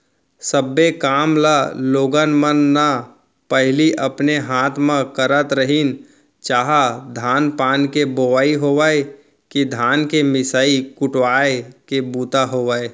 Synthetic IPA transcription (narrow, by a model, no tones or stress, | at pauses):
səbːekaːmlaloːɡənmənːa | pəɦɪliʔəpneɦaːt̪ʰmə̃kəɾət̪ɾəɦin | t͡ʃaːɦad̪ʱaːnpaːnkeboʋaːiɦoːʋae | kid̪ʱaːnkemɪsaːikʊʈwaːekebuːt̪aɦoːʋəːe